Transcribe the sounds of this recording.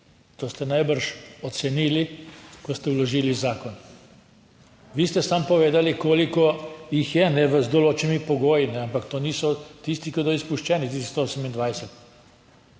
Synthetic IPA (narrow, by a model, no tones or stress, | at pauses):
t̪oːst̪ɛnajbəɾʃɔt̪sɛniːlikɔst̪ɛwlɔʒiːlizaːkɔn | ʋiːst̪ɛsampɔʋeːd̪alikoːlikɔjixjɛnɛʋəzd̪ɔloːt͡ʃɛnimipɔɡoːjinɛampakt̪oːniːsɔt̪ist̪ikid̪ɔispuʃt͡ʃɛːnit̪isist̪ooːsəmind̪ʋajsɛt̪